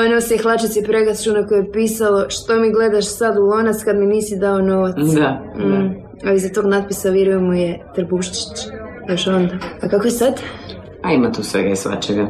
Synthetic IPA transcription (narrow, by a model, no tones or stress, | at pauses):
oenosiexlˠat͡ʃisipɾe̞ɡɾast͡ʃunakojeepiːsalo̞ʃt̪omiɡle̞d̪aʃsad̪ulˠonat̪skad̪miniːsid̪ao̞no̞ʋat̪sa | alizat̪o̞ːɡnad̪̚pisaʋiɾujemujet̪ɾbuʃt͡ʃi̥t͡ɕ | joʃo̞nd̪aakakojesad̪ | aimat̪uːsʋḛɡaisʋa̰t͡ʃeɡa